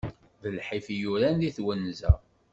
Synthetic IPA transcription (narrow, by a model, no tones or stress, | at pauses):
ðəlħifjuɾænðiθwənːzæ̰